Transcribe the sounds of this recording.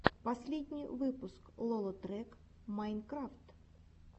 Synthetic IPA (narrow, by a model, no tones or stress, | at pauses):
pɐsʲlʲid̪ʲnʲijʋɪpʊsklˠɔlˠɔt̪ɾɛk | majnkɾaft̪